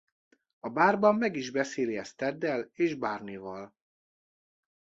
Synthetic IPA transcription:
ɒbaːrbɒmːɛɡiʒbɛseːliɛst̪ɛd̪ːɛleːʒbaːrnivɒl

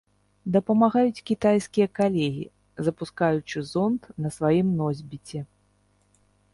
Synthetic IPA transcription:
d̪ɐpɐmaɣajut͡sʲkʲit̪ajskʲijɐkalʲɛɣʲḭ | zɐpuskajut͡ʂɨzɔnt̪nɐsvajimnɔzʲbʲit͡sʲɛ

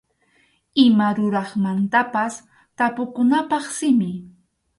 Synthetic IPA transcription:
ɪmaɾʊɾɑχmant̪apas | t̪apʊkʊnapɑχsɪmɪ

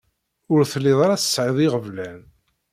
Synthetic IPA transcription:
ʊɾθəlːɪðˤɑɾˤɑθə̥sʕɪðˤiʁəvlæn

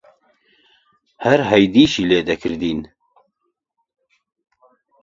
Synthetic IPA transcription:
hæɾɦɛjd̪iːʃiːleːd̪ɛkʰɨɾd̪iːn

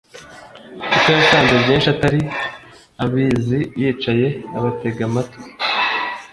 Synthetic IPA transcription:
it͡ʃojataːnzebjeːnʃataɾi | aβiːzijiːt͡ʃaje̞aβate̞ɡamato̥

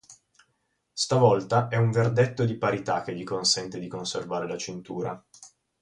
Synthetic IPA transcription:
st̪avɔlt̪aʔɛuɱverd̪et̪ːod̪ipaɾit̪ak̟ːeʎːikonsɛnt̪ed̪ikonservaːɾelat͡ʃint̪uːɾa̰

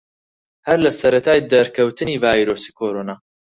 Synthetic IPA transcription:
hɐɾlɐsɐɾɐt̪ʰaːjd̪ɐɾkʰɐwt̪ʰɨniːvaːjɾoːsi̥ːkʰoːɾoːnaː

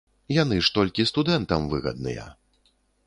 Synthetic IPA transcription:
janɨʂt̪ɔlʲkʲist̪ud̪ɛnt̪ɐmvɨɣɐ̰d̪̚nɨ̰jɐ̰

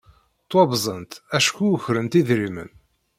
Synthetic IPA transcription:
t̪ˤwɑbzˤənt̪æʃkːuçɾənt̪iðɾimə̰n

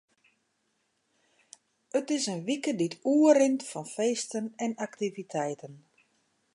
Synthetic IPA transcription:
ətɪsənʋikəditʰuːəɾɪntfɔnfeːstənɛnaktivitʰɛjtən

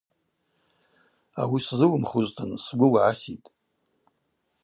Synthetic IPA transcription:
a̰wiszɨwmχuztʰɨnsɡʷʊwaʕasitʼ

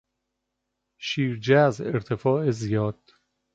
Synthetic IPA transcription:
ʃiːɾd͡ʒæzeɾt̪ʰefɒːezijɒːd̪̥

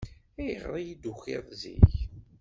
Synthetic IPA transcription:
æjəʁɾˤijid̪uxḛðˤzḭç

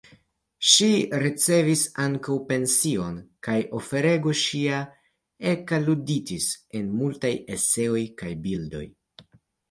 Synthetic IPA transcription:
ʃiɾit͡se̞visaŋkawpe̞nsio̞nkajo̞fe̞ɾe̞ɡo̞ʃia | e̞kaluditise̞nmultaje̞se̞o̞jkajbildo̞̰j

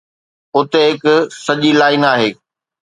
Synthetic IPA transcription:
ʊt̪eɦɪkʊsɐʄilaːɪnaːɦeː

